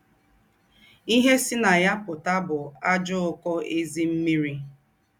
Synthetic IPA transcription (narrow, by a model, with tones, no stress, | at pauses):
i˦ɦe˦si˦na˨ja˦pʊ˨ta˦bʊ˨a˦d͡ʒʊ˦ʊ˦kɔ˦ʔe˦zi˦m̩˦mi˦ɾi˦